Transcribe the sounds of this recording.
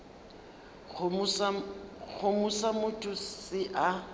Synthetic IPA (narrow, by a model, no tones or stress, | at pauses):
ɣʰʊmusamʊtʼʊsɪʔa